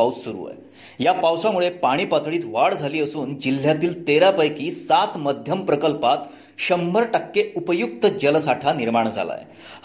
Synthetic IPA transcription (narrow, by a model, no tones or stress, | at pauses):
aut͡ssuɾṵːə̰j | japawsamuɭepaɽ̃iːpat̪ʰɭiːt̪ʋaɽd͡zʱaliːəsuːnd͡ʑil̤ːjat̪iːlt̪eɾapəjkiːsat̪məd̪ʱjəmpɾəkəlpat̪ | ɕəmːəɾʈəkːeupəjuk̚t̪əd͡ʑəlsaʈʰaniɾmaɳ̃d͡zʱa̰la̰j